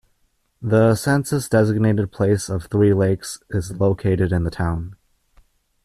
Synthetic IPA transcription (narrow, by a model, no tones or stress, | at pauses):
ðəsɛ̃nsɨsd̥ɛzɨɡ̚neɪɾɨd̚pʰl̥eɪsʌv̥θɹileɪksɪzloʊkʰeɪɾɨɾɨ̃nðətʰãʊ̃n